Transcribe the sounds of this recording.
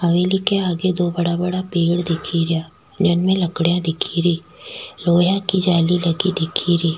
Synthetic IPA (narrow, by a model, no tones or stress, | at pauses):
ɦɐʋelikeaːɡed̪oːbɐɽabɐɽapeːɽd̪ɪkʰiɾjaː | d͡ʒɐnmẽlɐkɽjãd̪ɪkʰiɾiː | ɾoːjãkid͡ʒaːlilɐɡid̪ɪkʰiɾiː